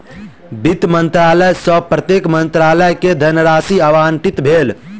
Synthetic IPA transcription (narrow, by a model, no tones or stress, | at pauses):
bit̪mənt̪ɾaləjsəpɾət̪jekmənt̪ɾaləjked̪ʱənəɾasiəʋanʈit̪bʱel